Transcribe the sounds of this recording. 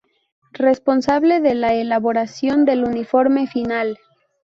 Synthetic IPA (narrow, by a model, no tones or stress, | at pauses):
re̞spo̞nsaβle̞ðelaelaβoɾasjo̞nd̪e̞lunifo̞ɾme̞final